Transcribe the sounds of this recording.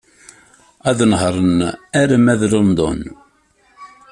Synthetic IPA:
æðnhɾˤənæɾəmæðlənd̪ˤo̰n

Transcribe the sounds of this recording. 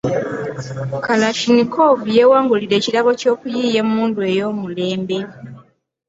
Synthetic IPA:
kalaʃinikovje̞waːŋɡuliɾe̞ːcilaβo̞co̞ːkujiːje̞mumuːndue̞jo̞ːmule̞ːmbe̞

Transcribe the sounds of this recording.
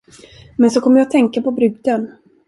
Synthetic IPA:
mɛnsɔkʰɔmːəɾjɑːt̪ʰɛŋkapɔbɾʏɡ̚d̪ən

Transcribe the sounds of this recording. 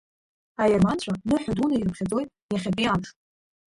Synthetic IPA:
ajarmant͡ɕʷʰanɨħʷᶣadunairɨpʰχʲad͡zo̞jtʼ | jaχʲapʼianχtʼ

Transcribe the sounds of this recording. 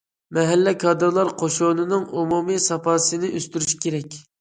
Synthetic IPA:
mɛɦælːɛkʰɑd̪ɨɾlˠɑɾqʰoʃonɨnɨŋumumisɑpʰɑːsɨnɪʔøst̪yɾyʃi̥kʲʰeɾɛkʲ

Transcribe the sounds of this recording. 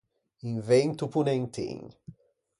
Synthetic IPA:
ĩŋvẽnt̪upunẽnt̪ḭ̃ŋ

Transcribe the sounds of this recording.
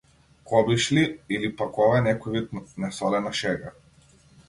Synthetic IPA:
kʰɔbiʃliilipakɔvaɛnɛkɔjvit̪nɛsɔlɛnaʃɛɡa̰

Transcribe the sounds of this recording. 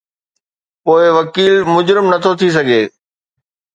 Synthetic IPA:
poːɪʋɐkiːlmʊd͡ʑɾɪmnɐt̪ʰot̪ʰis̬ɐɡʱeː

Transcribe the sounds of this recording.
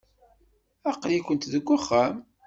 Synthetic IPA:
æqːlikʷənt̪ðəɡʷːəχːæm

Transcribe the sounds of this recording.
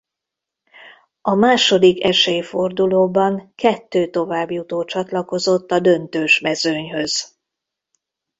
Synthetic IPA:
ɒmaːʃo̞d̪ikɛʃejfo̞rd̪uloːbɒŋkɛt̪ːøːt̪o̞vaːbjut̪oːt͡ʃɒt̪lɒko̞zo̞t̪ːɒd̪ø̞nt̪øːʃmɛzøɲɦø̞z̥

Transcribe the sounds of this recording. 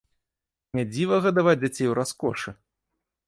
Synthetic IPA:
nʲad͡zʲivɐɣɐd̪avad͡zʲd͡zʲat͡sʲejwɾaskɔ̰ʂɨ

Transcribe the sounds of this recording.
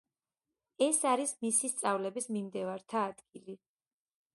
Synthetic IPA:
ɛsaɾismisist̪sʼavlɛbismimd̪ɛvaɾt̪ʰaːd̪ɡili

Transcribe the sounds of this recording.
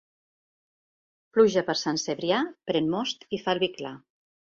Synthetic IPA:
pluʒəpəɾsanseβɾiapɾɛnmɔst̪ifalˠβikla

